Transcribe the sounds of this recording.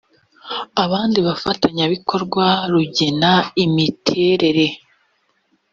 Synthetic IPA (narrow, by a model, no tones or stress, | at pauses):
aβaːndiβafataɲaβikʰo̞ɾɡwaɾuɟe̞naimitʰe̞ɾe̞ɾe̞